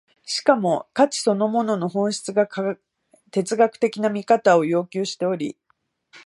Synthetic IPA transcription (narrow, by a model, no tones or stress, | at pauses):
ɕi̥kamo̞kat͡ɕi̥so̞no̞mo̞no̞no̞ɦõ̞ɰ̃ɕi̥t͡sɨɡa | t̪e̞t͡sɨɡakɯ̥t̪e̞kʲinamʲikat̪ao̞jo̞ːkʲɨːɕi̥t̪e̞o̞ɾʲḭ